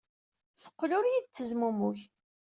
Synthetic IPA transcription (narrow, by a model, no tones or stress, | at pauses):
θə̥qːlʊɾjid̪̚t͡sːəzmumuç